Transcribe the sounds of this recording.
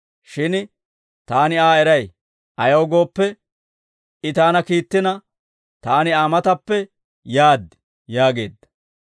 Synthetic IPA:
ʃɪn | t̪aːnɪaːɛɾɐj | ʔɐjɐwɡo̞ːpːɛ | ɪt̪aːnɐkiːt̪ːɪnɐ | t̪aːnɪaːmɐt̪ɐpːɛ | jaːd̪ːɪ | jaːɡe̞̰ːd̪ːɐ̥

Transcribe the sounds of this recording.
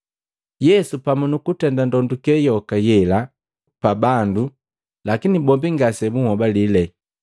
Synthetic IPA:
jɛsupamunukutɛndandɔndukɛjɔkajɛla | pabandu | lakinibɔmbiŋɡasɛbuŋhɔbalilɛ

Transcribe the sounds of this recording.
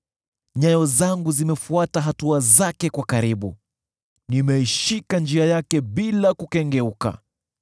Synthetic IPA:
ɲajɔzaŋɡuzimɛfuataɦatuazakɛkwakaɾiɓṵ | nimɛiʃikand͡ʒiajakɛɓilakukɛŋɡɛuka̰

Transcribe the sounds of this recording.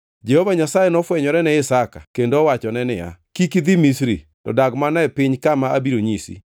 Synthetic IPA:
d͡ʒɛhovaɲasajɛnɔfwɛɲɔɾɛnɛɪsakakendowat͡ʃɔnɛnɪja̰kikid̪imisɾḭ | tɔ̰daɡmanaɛpɪɲkamaʔabiɾoɲisḭ

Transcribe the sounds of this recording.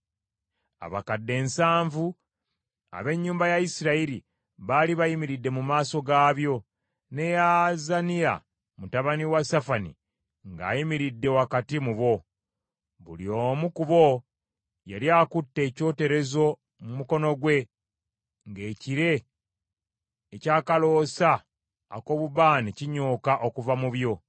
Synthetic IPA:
a̰βakadːe̞ːnsaːɱvu | a̰βe̞ɲːuːmbajajisiɾaiɾi | βaliβajimiɾidːe̞mumaːso̞ɡaːβjo̞ | ne̞jazanija̰ | mutaβaniwasafanḭ | ŋɡa̰ːjimiɾidːe̞wakatimuβo̞ | βṵlio̞mukuβo̞ | jaljakutːe̞ːco̞ːte̞ɾe̞zo̞ | mumuko̞no̞ɡwe̞ | ŋɡe̞ːciɾe̞ | caːkalo̞ːsa̰ː | ko̞βuβaːniciɲoːkaʔo̞kuvamuβjo̞

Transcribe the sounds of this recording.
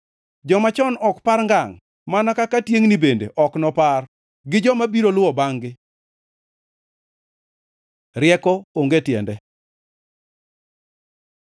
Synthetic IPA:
d͡ʒɔmat͡ʃɔnɔkpaɾŋɡaŋ | manakakatjeŋnibendḛʔɔknɔpar | ɡɪd͡ʒɔmabiɾolʊwɔbaŋɡɪ | ɾɪɛkɔoŋɡetjɛ̰ndɛ

